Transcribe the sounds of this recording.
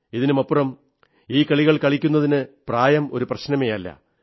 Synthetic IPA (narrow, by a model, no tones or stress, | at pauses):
iðinɨmɐpːurɐm | iːkɐɭiɣɐɭkɐɭikʲːunːɐðinɨpraːjɐmo̞ɾuprɐɕnɐmejɐlːɐ̰